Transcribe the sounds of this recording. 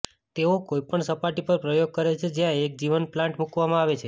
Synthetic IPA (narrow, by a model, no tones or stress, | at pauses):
t̪eokoipəɳsəpaʈipəɾpɾəjoɡ̚kəɾet͡ʃʰed͡ʒjãek̚d͡ʒiʋənplãɳʈmukʋamãaʋet͡ʃʰe